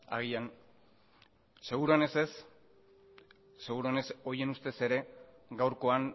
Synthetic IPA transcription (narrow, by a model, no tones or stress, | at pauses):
a̰ɣ̞ian | se̞ɣ̞uɾuane̞se̞s | e̞ɣuɾuoneso̞je̞nust̪e̞se̞ɾe̞ | ɡawɾko̞aŋ